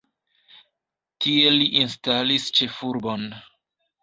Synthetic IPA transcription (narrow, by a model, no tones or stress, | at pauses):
tie̞liʔinstalist͡ʃe̞fuɾbo̞n